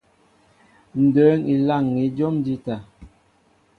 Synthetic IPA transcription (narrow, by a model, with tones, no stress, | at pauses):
n̩˨dəː˨˦ni˨la˦˨ŋːi˨˦d͡ʒɔ˦md͡ʒi˦ta˨